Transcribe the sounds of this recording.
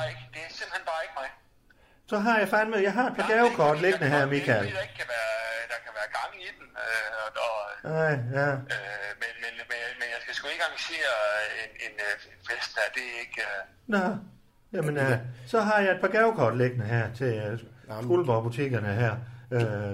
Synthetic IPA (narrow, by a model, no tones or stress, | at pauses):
ɡ̥d̥e̝æɐsem̥lhenb̥ɑ̈ːeɡ̥mɑ̈ɪ | sɒ̽ɦɑ̈jɑ̈ɪfɑ̈ɪnmeðˠjɑɪɦɑ̈e̝d̥̚pʰɑ̈ɡ̥æʊkʰɒːd̥le̝ɡ̥ənəɦæɐ̰mikʰæld̥eɡ̥kʰæʋæːɐd̥ɑ̈kʰæʋæːɐɡ̥ɑ̈ŋid̥n̩øɒnɑɪ̰jæømenmenmenjmenjɑ̈ɪsɡ̥æsɡ̥ueɡ̥ɑ̈ŋse̝̰ːɐenenenfesd̥̚hæɐ̰d̥e̝e̝ɡ̥ø | nɑɪ | jæmənsɒ̽ɦɑ̈jɑ̈e̝d̥̚pʰɑ̈ɡ̥æʊkʰɒ̰ːd̥leɡ̥ənəɦæɐ̰t͡sʰe̝fulʋɒb̥ut͡sʰe̝̰ːɡ̥ɐnəɦæɐ̰ø